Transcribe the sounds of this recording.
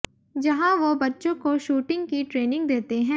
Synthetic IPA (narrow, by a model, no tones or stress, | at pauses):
d͡ʒɐɦãʋobɐtːʃõkoʃuːʈɪ̃ŋɡkiʈɾeːnɪ̃ŋɡ̚d̪eːt̪eɦɛ̃ː